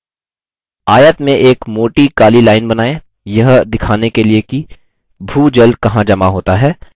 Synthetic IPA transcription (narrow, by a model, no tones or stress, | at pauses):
aːjət̪mẽʔeːkmoːʈikaːlilaːɪnbɐnaːe | jɐɦd̪ɪkʰaːnekelieki | bʱuːd͡ʒɐlkɐɦãd͡ʒɐmaɦoːt̪aɦɛː